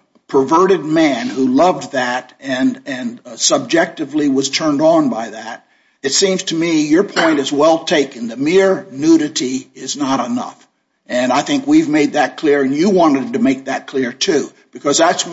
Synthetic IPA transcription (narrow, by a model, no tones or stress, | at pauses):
pʰə˞vɜ˞ɾɨd̚mæ̃nhulʌvðæɾɨ̃nɨ̃nsəb̚d͡ʒɛk̚tɨvliwʌz̥tʰɜ̃˞ndn̩baɪðæɾ̚ | ɨtsĩmz̥tʰɨmijə˞pʰɔ̃ɪ̃ñɨzwɛlˠtʰeɪkɨ̃nðɨmɪɹnʉɾɨɾiɪznəɾənʌ̰f | ʔɨ̃naɪθɪ̃ŋkwivmeɪd̪̚ðɨt̚kʰl̥ɪɹɨ̃njɨwɑ̃ñɨd̚tɨmeɪk̚ðɨt̚kʰl̥ɪɹtʰʉ | b̥ɨkʰʌzðæts